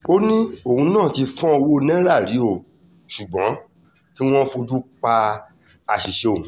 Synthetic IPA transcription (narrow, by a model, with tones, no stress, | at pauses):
o˦nĩ˦o˦˨ũ˧˦nãː˦˨ti˧fɔ̃˦o˧wo˦˧nɛ̃˦ɾa˦˨ɾi˨˦o˦˨ | ʃu˨ɡ͡bɔ̃˨˦ | ki˦w̃ɔ̃˦fo˧d͡ʒu˦k͡pa˧ | a˨ʃi˨ʃe˧o˨